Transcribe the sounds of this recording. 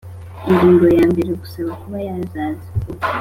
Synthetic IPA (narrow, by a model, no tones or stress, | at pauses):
iɾiːnɡojaːmbeɾeɡu̥saβakuβajazaːziko